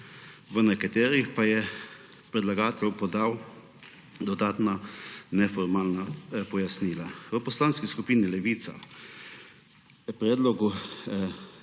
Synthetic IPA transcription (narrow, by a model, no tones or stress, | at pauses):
ʋənɛkat̪eːɾixpajɛ | pɾɛd̪laɡaːt̪ɛlwpɔd̪aːw | d̪ɔd̪aːt̪nanɛfɔɾmaːlnapɔjasniːlaʋəpɔslaːnskiskupiːnilɛʋiːt̪sa̰ | pɾɛːd̪lɔɡu